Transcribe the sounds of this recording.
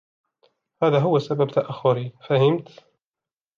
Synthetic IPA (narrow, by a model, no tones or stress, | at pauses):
haːðaːɦʊwːasababt̪aʔaxːʊɾifahɪmt̪